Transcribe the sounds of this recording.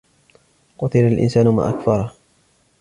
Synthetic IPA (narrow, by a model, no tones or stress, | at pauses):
qʊt̪ɪlalʔɪ̰nsaːnʊma̰ːʔakfɑɾˤɑ